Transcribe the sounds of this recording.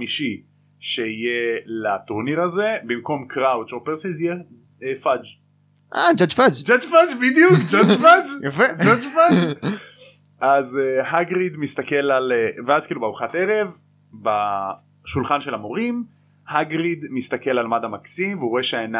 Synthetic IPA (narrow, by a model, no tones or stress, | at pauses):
miʃi | ʃeije̞lat̪uʁniʁaze̞bimko̞mkʰʁawt̪opeʁsizije | efad͡ʒ | ʔad͡ʒad͡ʒfad͡ʒd͡ʒad͡ʒfad͡ʒbid̪jukd͡ʒod͡ʒfad͡ʒjafed͡ʒod͡ʒfad͡ʒ | ʔazehaɡʁid̪mist̪ake̞laleveazkiːlubeauχate̞ʁe̞v | ba | ʃulχanʃelamo̞ʁim | haɡʁid̪mist̪ake̞lalmadamaksimveuoeʃeaena